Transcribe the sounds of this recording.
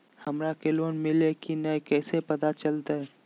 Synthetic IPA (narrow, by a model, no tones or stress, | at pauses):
hɐmɾakeloːnmɪlekinəekɛːsepɐt̪at͡ʃɐlt̪aɦɛː